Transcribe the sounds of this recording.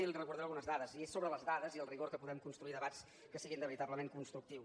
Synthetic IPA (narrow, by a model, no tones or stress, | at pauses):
ilirəkuɾðɛlˠɣunəzðaðəziesːoβɾələzðaðəziəlˠriɣoɾkəpuðɛmkunst̪ɾuiðəβat͡s | kəsiɣind̪əβəɾit̪abləmeŋkunst̪ɾuk̚t̪iw